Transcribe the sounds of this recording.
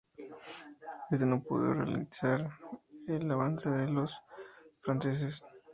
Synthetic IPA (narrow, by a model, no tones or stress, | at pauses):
ezd̪enopo̰ðo̰rea̰lḭsaɾelaβanseðelo̞sfɾanses̬es